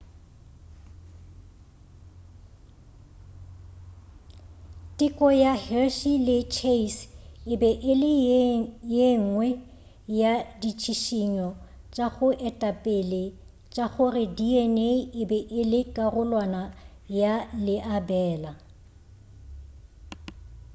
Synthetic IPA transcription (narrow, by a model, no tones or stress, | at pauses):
tʼɪkʼɔjahɛʃilɪt͡ʃʰeisɪbɛʔɪlɪ | jeŋŋwɛ | jadit͡ʃʰiʃiɲɔ | t͡ʃʼaɣʊʔɛtʼapʼɪlɪ | t͡ʃʼaχʊrɪdiɛneɪbɛʔɪlɪkʼarʊlwana | jalɪʔabɛːla